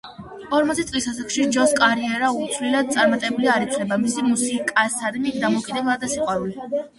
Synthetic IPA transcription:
ɔɾmɔt̪sʰɛt̪sʼlisasakʃid͡ʒɔskʼaɾiɛɾaut̪sʰvlilad̪̚t̪sʼaɾmat̪ʼɛbuliaɾit̪sʰlɛbamisimusikʼasad̪mid̪amɔkʼid̪ɛblˠad̪asiqʼwaɾuli

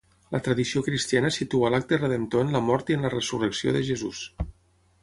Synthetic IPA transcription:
lət̪ɾəðisiokɾist̪janəsit̪ualak̚t̪ərəðent̪oenləmɔɾt̪iənlərəsurəksio̰ðəʒəzus

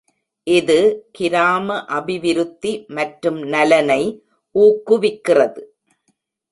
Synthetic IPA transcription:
ʔɪðɯkɪɾaːmɐʔɐbɪʋɪɾɯt̪ːimɐʈɾɯmnɐlɐnɐɪ | ʔuːkːɯʋɪkːɪrɐðɯ

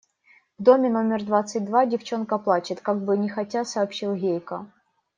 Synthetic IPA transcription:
vd̪o̞mʲɪno̞mʲɪrd̪vat̪sɨt̚ʲd̪vadʲɪft͡ɕo̞nkəplˠat͡ɕɪt̪kaɡ̚bɨnʲɪxɐtʲasɐːpɕilˠɣʲejkə

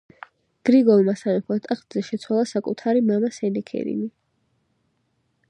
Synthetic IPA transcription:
ɡ̥ɾiɡɔlˠmasanɛmpʰɔt̪ʼaχt̪zɛʃɛt̪sʰwalˠasakʼut̪ʰaɾimamasɛnɛkʰɛ̰ɾḭni

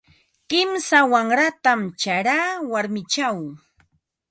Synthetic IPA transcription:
kɪmsawaŋɾat̪amt͡ʃaɾaːwaɾmɪt͡ʃaw

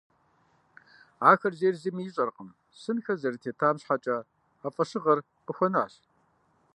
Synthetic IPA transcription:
ʕaːxɐrzeːrzimiɪɕʼɐrqəm | sɨnxɐzɐritʰeːtʰaːmɕħat͡ʃʼɐ | afʼɐʂɨʁɐr | qəxʷɔna̰ːɕ

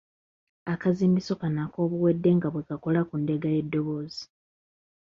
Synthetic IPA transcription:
akaziːmbiso̞kanako̞ːβuwe̞dːe̞ŋɡaβwe̞kako̞lakunde̞ɡaje̞dːo̞βo̞ːzi̥

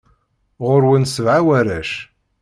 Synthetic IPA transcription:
ʁʊɾwənsəvʕawæɾæʃ

